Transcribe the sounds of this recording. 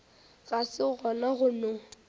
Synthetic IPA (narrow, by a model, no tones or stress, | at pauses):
ɣasɪɣɔnaɣʊnʊ